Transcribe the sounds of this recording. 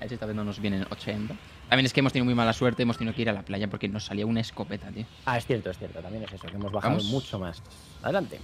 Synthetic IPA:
aesest̪aβenonozβjenenot͡ʃent̪a | t̪amjeneskeemot̪eniðomujmalaswe̞ɾt̪eemot̪eiðokeiɾalaplaʝapo̞ɾke̞no̞sːaliaunaesko̞pe̞t̪at̪i | aesθjeɾt̪oesθje̞ɾt̪ot̪amjenesesokeemozβaxamðomut͡ʃomas | a̰ðelant̪e̞̰

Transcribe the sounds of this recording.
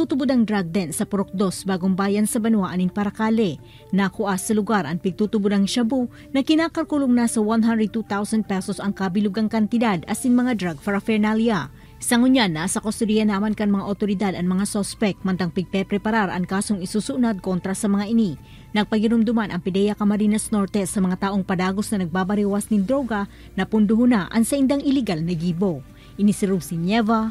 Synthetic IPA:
t̪uːt̪ʊbod̪ɐŋd̪ɾaɡ̚d̪ɛnsɐpʊɾok̚d̪o̞sbaːɡoŋbaːjɐnsɐbɐnwaʔanɪŋpɐɾɐkaːlɛ | nɐkʊʔasɐlʊɡaɾʔɐŋpɪɡ̚t̪uːt̪ʊbod̪ɐŋʃɐbu | nɐkɪnaːkɐɾkuloŋnasɐwanɦand̪ɾɛd̪̚t̪ut̪awsɐnd̪̚pɛsosɐŋkabɪlʊɡɐŋkɐnt̪ɪd̪ad̪ʔɐsiŋmɐŋad̪ɾaɡfɐɾɐfɛɹnalia | sɐŋʊɲanasɐkost̪ʊɾijɐnaːmɐnkɐŋmɐŋaʔot̪oɾɪd̪ad̪ɐŋmɐŋasospɛk̚mɐnt̪ɐŋpɪɡ̚pɛpɾɛpɐɾaɾʔɐŋkaːsoŋɪsusuʔnad̪̚ko̞nt̪ɾɐsɐmɐŋaʔɪni | nɐɡ̚pɐɡɪɾʊmd̪ʊmanʔɐŋpɪd̪ɛjɐkɐmɐɾinɐsno̞ɹt̪ɛsɐmɐŋat̪aːʔo̞ŋpɐd̪aːɡosnɐnɐɡ̚baːbɐɾiwasnɪnd̪ɾo̞ɡɐ | nɐpʊnd̪ʊɦʊnaʔɐŋsɐʔɪnd̪aŋʔɪlɪɡalnɐɡiːbo̞ | ʔɪnisɪɾubsɪɲɛva

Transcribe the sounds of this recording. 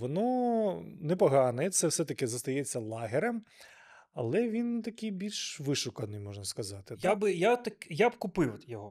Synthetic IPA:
ʋɔnɔ | nɛpɐɦɑnɛt̪sɛwsɛt̪ɐkɪzɐst̪ɐjɛt͡sʲːɐlˠɑɦɪɾɛm | ɐlˠɛʋʲint̪ɐkɪjbʲilʲʃʋɪʃʊkɐnɪjmɔʒnɐskɐzɑt̪ɪjabɪjat̪ɐkjabkʊpɪwjɔɦɔ

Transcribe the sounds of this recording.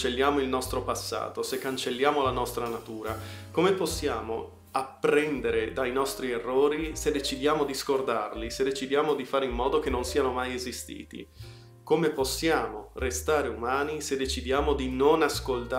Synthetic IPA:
t͡ʃelːjaːmoilnɔst̪ɾopasːa̰ːt̪osekːant͡ʃelːjaːmolanɔst̪ɾanat̪uːɾa̰komeposːjaːmo̰ | apːɾɛnd̪eɾed̪ajnɔst̪ɾierːoːɾised̪et͡ʃid̪jaːmod̪iskord̪arlised̪ːet͡ʃid̪jaːmod̪ifaːɾeimːɔːd̪ok̟enːonsiːanomajezist̪ḭːt̪ḭ | komeposːjaːmorest̪aːɾeumaːnised̪ːet͡ʃid̪jaːmod̪inonaskolt̪a

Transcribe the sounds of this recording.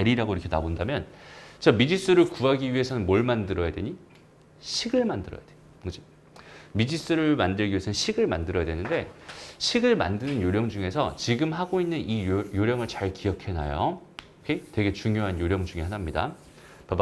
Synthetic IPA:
eɾiɾaɡoiɾʌkʰenabondamjʌnt͡ɕamid͡ʑis͈ɯɾɯɭkuɦaɡiɥiɦe̞sʰʌnɯnmoɭmandɯɾʌjadwe̞̰ɲi | ɕʰiɡɯɭmandɯɾʌjad̥we | kɯd͡ʑi | mid͡ʑis͈ɯɾɯɭmandɯɭɡiɥiesʰʌnɯnɕʰiɡɯɭmandɯɾʌjadwe̞nɯnde̞ɕʰiɡɯɭma̰ndɯnɯnjoɾjʌŋd͡ʑuŋe̞sʰʌ̰t͡ɕiɡɯmɦaɡoinːɯnijoɾjʌŋɯɭt͡ɕaɭkijʌkʰe̞najo̰ | kʰetwe̞ɡe̞t͡ɕuŋjoɦanjoɾjʌŋd͡ʑuŋiɦanamɲida̰ | pab

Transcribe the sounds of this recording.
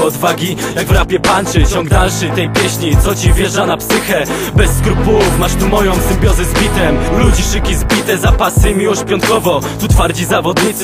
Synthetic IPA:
ɔd̪vaɡʲijaɡvɾapʲjɛpant͡ʂɘt͡ɕɔŋɡd̪alʂɘt̪ɛjpʲjɛɕɲit̪sɔt͡ɕivjɛʐdanapsɘxɛ | bɛsːkɾupulufmaʂt̪umɔjɔ̃w̃zɛmbʲjɔzɛzbʲit̪ɛmlud͡ʑiʂɘkʲizbʲit̪ɛzapasɨmʲiwɔɕt͡ɕpʲjɔnt̪̚kɔvɔt̪ut̪faɾd͡ʑizavɔd̪ɲit̪s

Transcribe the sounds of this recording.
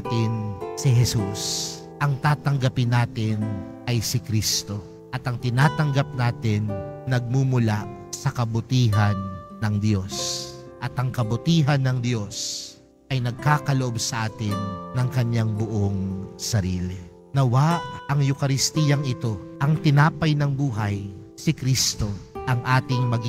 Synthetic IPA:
t̪ɪnsɪɦɛsus | ʔɐŋt̪aːt̪ɐŋɡɐpɪnːaːt̪ɪn | ʔɐjsɪkɾist̪o̞ | ʔɐt̪ɐŋt̪ɪnaːt̪ɐŋɡɐp̚naːt̪ɪnnɐɡ̚mumʊlaʔsɐkɐbʊt̪iːɦɐnː | ɐŋd̪jo̞s | ʔɐt̪ɐŋkɐbʊt̪iːɦɐnːɐŋd̪jo̞s | ʔɐjnɐɡ̚kaːkɐloʔobsɐʔaːt̪ɪnːɐŋkɐɲaŋbʊʔoŋsɐɾiːlɪ | nɐwaʔʔɐŋjʊkɐɾɪst̪iːjɐŋɪt̪o̞ʔɐŋt̪ɪnaːpɐjnɐŋbuːɦɐj | sɪkɾist̪o̞ʔɐŋʔaːt̪ɪŋmɐɡ

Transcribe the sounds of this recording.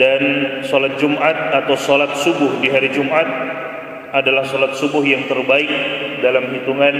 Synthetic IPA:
dansɔlat̪̚d͡ʒumʔat̪̚at̪awsɔlat̪̚subʊhdiɦaɾid͡ʒumʔat̪̚ | ʔadalahsɔlat̪̚subʊhjaŋt̪ərbaɪk̚dalamɦit̪uŋan

